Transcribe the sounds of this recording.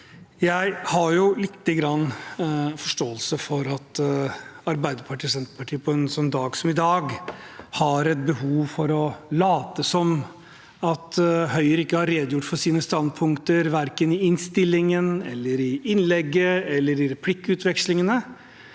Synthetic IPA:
jæɪhɑɾjʊlɪt̪ːəɡɾɑnː | fɔʂʈoːəlsəfɔɾɑt̪ | ɑɾbæɪd̪əɾpʰɑʈʰiːɔsɛnt̪ɾə̥pʰɑʈʰiːəpʰɔɛnsɔnːd̪ɑːɡsɔmɪd̪ɑːɡ | hɑɾɛt̪̚bəhuːʋfɔɾɔlɑːt̪əsɔm | ɑt̪hœʏəɾɪkːəhɑɾːeːd̪əjʊʈːfɔʂiːnəst̪ɑnd̪̚pʰʊŋkt̪əɾʋæɾkənɪɪnst̪ɪlːɪŋənɛ̰lːəɾɪɪnlɛɡːəɛlːəɾɪɾɛpʰlɪkːəʉːt̪ʰʋɛkslɪŋənə

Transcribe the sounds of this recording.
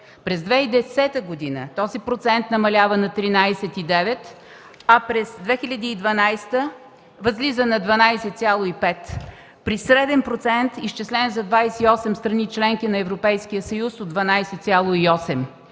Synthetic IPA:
pɾɛzd̪vɛid̪ɛsɛt̪əɡod̪inə̰t̪ɔzipɾot̪sɛnt̪nɐmɐlʲavənɐt̪ɾinajsɛt̪id̪ɛvɛt̪ | ɐpɾɛzd̪vɛxilʲɐd̪iːd̪vɐnajst̪ə | vɐzlizənɐd̪vɐnajsɛt̪sʲjalˠoipɛt̪ | pɾisɾɛd̪ɛnpɾot̪sɛnt̪iʃt͡ʃɛslʲɛnzɐd̪vajsɛiɔsɛmst̪ɾɐnit͡ʃlɛŋkinɐɛvɾopɛjskijəsəjusod̪vɐnajsɛt̪sʲjalˠoiɔsɛm

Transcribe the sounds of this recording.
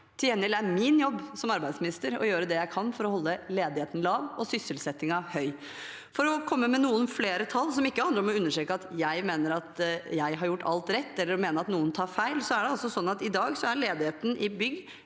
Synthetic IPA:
t̪ʰɪlɛnːɪlæmɪnjɔbːsɔmɑɾbæɪd̪smɪnɪst̪əɾɔ̰jøːɾəd̪ɛjæɪkʰɑnfɔɾɔhɔlːəleːd̪ɪheːt̪ən̩lɑːʋɔsʏsəlsɛt̪ːɪŋɑhœʏ | fɔɾɔkʰɔmːəmɛnuːənfleːɾət̪ʰɑlːsɔmɪkːəɑnd̪əɾɔmɔʉnːəʂʈɾeːkəɑt̪jæɪmeːnəɾɑt̪jæɪɦɑɾjʊʈːɑlt̪ɾɛt̪ːɛlːəɾɔmeːnəɾɑt̪nuːənt̪ʰɑːɾfæɪlsɔæɖɛɔsːɔsɔnːɑt̪ɪd̪ɑːɡsɔæɾɭeːd̪ɪheːt̪n̩ʔɪbʏɡ

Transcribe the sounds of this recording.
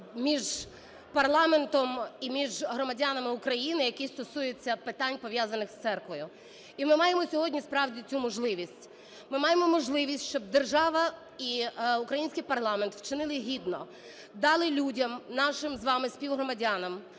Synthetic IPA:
mʲiʒ | pɐrlˠɑment̪ɔmimʲiʒɦɾɔmɐdʲanɐmɪʊkɾɐjinɪjɐkist̪ɔsujet͡sʲːɐpɪt̪ɑnʲpɔʋjazɐnɪxst̪sɛrkʋɔjʊ | imɪmɑjemɔsʲɔɦɔdʲnʲispɾɑwdʲit͡sʲumɔʒlˠɪʋʲisʲtʲ | mɪmɑjemɔmɔʒlˠɪʋʲisʲtʲʃt͡ʃɔb̚d̪erʒɑʋɐ | iʊkɾɐjinʲsʲkɪjpɐrlˠɑment̪wt͡ʃɪnɪlˠɪɦʲid̪nɔ | d̪ɑlˠɪlʲudʲɐmnɑʃɪmzʋɑmɪsʲpʲiwɦɾɔmɐdʲanɐm

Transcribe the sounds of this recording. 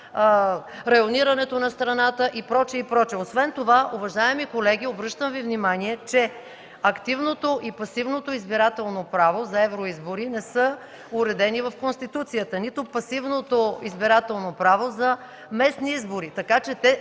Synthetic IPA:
ɾɐjoniɾɐnɛt̪onɐst̪ɾɐnat̪əʔipɾɔt͡ʃɛipɾɔt͡ʃɛosvɛnt̪ovaʔʊvɐʒaɛmikolɛɡʲiobɾɤʃt̪əmvivnimaniɛt͡ʃɛ | ɐkt̪ivnot̪oʔipɐsivnot̪oizbiɾat̪ɛlˠnopɾavozɐɛvɾoizboɾinɛsɤ | ʊɾɛd̪ɛnivɐfkonst̪it̪ut̪sijət̪ənit̪opɐsivnot̪oizbiɾat̪ɛlˠnopɾavozɐ | mɛsniizboɾit̪ɐkat͡ʃɛt̪ɛ

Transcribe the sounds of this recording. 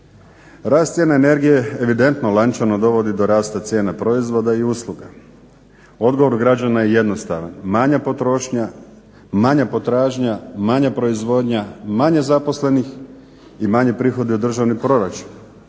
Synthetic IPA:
ɾaːst̪sʲjenaene̞ɾɡije̞eʋid̪e̞nt̪nolˠant͡ʃano̞d̪o̞ʋo̞d̪id̪o̞ɾaːst̪at̪sje̞ːnapɾo̞izʋo̞d̪aiuːslˠuɡa | o̞d̪ɡoʋo̞ɾuɡɾad͡ʑanajeje̞d̪no̞st̪aʋa̰nmaɲapo̞t̪ɾo̞ʃɲa | maɲapo̞t̪ɾaːʒɲamaɲapɾo̞izʋo̞d̪ɲamaɲezapo̞sle̞nix | imaɲepɾiːxo̞d̪iud̪r̩ʒaʋnipɾo̞ɾat͡ʃu̥n

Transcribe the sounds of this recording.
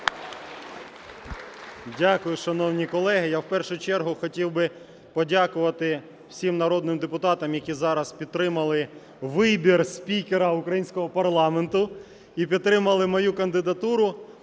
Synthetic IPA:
dʲakʊjʊʃɐnɔwnʲikɔlˠɛɦɪjawpɛrʃʊjt͡ʃɛrɦʊxɔtʲiwbɪ | pɔdʲakʊʋɐt̪ɪ | w̥sʲimnɐɾɔd̪nɪmd̪epʊt̪ɑt̪ɐmjɐkʲizɑɾɐspʲid̪t̪ːɾɪmɐlˠɪ | ʋɪbʲirsʲpʲikeɾɐʊkɾɐjinʲsʲkɔɦɔpɐrlˠɑment̪ʊ | ip̬ʲid̪t̪ːɾɪmɐlˠɪmɔjukɐnd̪ɪd̪ɐt̪uɾʊ

